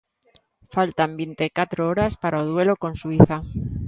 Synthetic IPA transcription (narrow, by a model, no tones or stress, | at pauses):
falt̪ambint̪ekat̪ɾooɾaspaɾaoð̞welokonsuiθa